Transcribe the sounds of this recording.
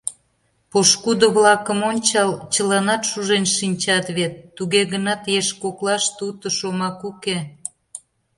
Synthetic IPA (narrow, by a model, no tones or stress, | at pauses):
poʃkud̪oβlɑkəmonʲt͡ɕɑlt͡ɕəlɑnɑt̪ʃuʒenʃinʲt͡ɕɑt̪βet̪ːuɣeɣənɑt̪jeʃkoklɑʃt̪ut̪əʃomɑkuke